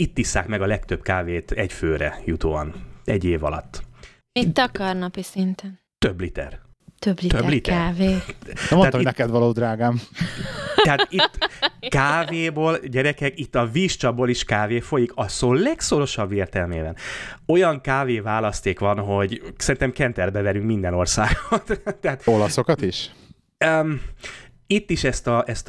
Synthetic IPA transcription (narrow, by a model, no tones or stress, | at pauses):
it̪ːisːaːkmɛɡɒlɛkt̪ø̞pkaːveːt̪ʰɛɟføːɾɛ̰jut̪o̰ːɒ̰nɛɟːeːvɒ̰lɒ̰t̪ː | et̪ɒkɒrnɒpisint̪ɛn | t̪øbːlit̪ɛ̰r | t̪øblit̪ølit̪ɛaveːonat̪ːonɛkɛd̪ʋɒloːd̪ɾaːɡaːm | t̪ɛɦaːtit̪ːkaːveːboːlɟɛɾɛkɛkit̪ːɒviːʃt͡ʃɒboːliʃkaːveːfo̞jikʰɒsoːlɛkso̞ɾo̞ʃɒbːeːrt̪ɛlmḛːbɛno̞jɒŋkaːveːvaːlɒst̪eːkʋɒnɦo̞ɟsɛɾint̪ɛmkɛnt̪ɛrbɛvɛɾyŋkmind̪ɛno̞rsaːɡot̪t̪ːɛɦaːt̪o̞lɒso̞kɒt̪iʃ | ø | it̪ːiʃɛst̪ɒʔɛst̪